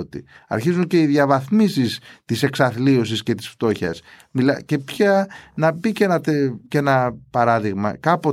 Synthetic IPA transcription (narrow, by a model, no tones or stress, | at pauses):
ot̪ḭɐ̰ɾçizunce̞iðjɐvɐθmisist̪ise̞ksɐθlio̞s̬isce̞t̪i̥sft̪o̞çɐ̰smilɐce̞pçɐnɐpice̞nɐt̪ece̞nɐpɐɾɐðiɣmɐ̰kɐpo